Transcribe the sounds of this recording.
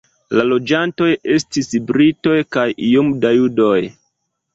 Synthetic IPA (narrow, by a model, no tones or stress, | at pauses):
lalo̞d͡ʒanto̞je̞stisbɾito̞jkajiomdajudo̞j